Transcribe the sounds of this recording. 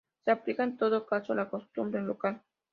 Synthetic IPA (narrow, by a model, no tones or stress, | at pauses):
seaplikant̪od̪okat͡ʃolakost̪umbɾenlokal